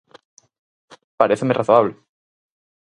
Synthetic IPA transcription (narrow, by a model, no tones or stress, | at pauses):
paɾeθemerʔaθoaβle